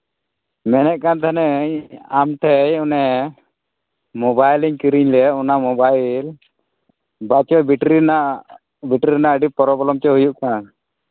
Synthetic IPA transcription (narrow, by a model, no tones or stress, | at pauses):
mɛnɛʔ̚kant̪ʰanɛɲamʈʰɛjɔnɛ | mɔbajliɲkiɾiɲlɛɔnamɔbajl | bat͡ʃɔbiʈɾinaʔ | biʈɾiɾnaʔəɖipɔɾɔbɔlɔmt͡ʃɛɦujuʔkan